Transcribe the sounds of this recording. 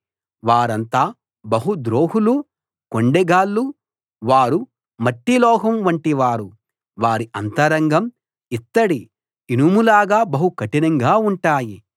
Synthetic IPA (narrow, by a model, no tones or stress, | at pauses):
ʋaːɾɐnt̪aː | bɐɦud̪ɾoːɦulu | koɳɖɛɡaːlːu | ʋaːɾu | mɐʈːilɔːɦɐmʋɐɳʈiʋaːɾu | ʋaːɾiɐnt̪ɐɾɐŋɡɐm | it̪ːɐɽiː | numulaːɡaːbɐɦukɐʈinɐŋɡaːuɳʈaːji